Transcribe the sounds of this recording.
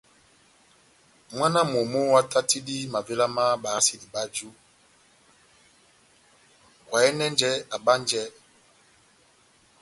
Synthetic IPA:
mwa˦na˦mo˨mo˦wa˦ta˦ti˦di˦ma˨ve˦la˦ma˦ɓa˨a˦si˨di˨ba˦d͡ʒu˦ | kwa˨ɛ˦nɛ˦nd͡ʒɛ˦a˨ba˦n˦d͡ʒɛ˦

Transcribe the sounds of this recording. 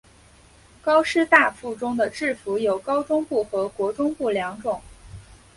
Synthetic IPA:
kɑ˥ʊʂɻ̩˥˧t̪a˥˧fu˥˩ʈ͡ʂʊ˥ŋd̪ə˨ʈ͡ʂɻ̩˥˩fu˧˥jo˨˩ʊkɑ˥ʊʈ͡ʂʊ˥ŋpu˥˩xɤ˧˥kwɔ˧˥ʈ͡ʂʊ˥ŋpu˥˩ljɑ˧˥ŋʈ͡ʂʊ˨˩˦ŋ

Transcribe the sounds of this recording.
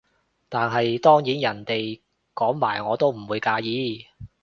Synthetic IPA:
t̪aː˨˧nɦɐ˨jt̪ɔː˥ŋjiː˨˥njɐ˨˩nt̪e˨j | kɔː˨˥ŋmaː˨˩jŋɔː˨˧t̪o˥wm̩˨˩wuː˨˧jkaː˧jiː˨˥

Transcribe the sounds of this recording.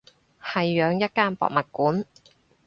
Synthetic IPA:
hɐ˨jːœː˨˧ŋjɐ˥t̚kaː˥npɔ̰ː˨k̚mɐ˨t̚kuː˨˥n

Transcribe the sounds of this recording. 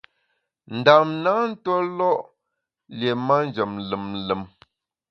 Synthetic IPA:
n̩˨da˨mna˨˦n̩˦twɔ˦lɔ˦ʔ | lje˨ma˦n˦d͡ʒə˨mlə˨mlə˨m

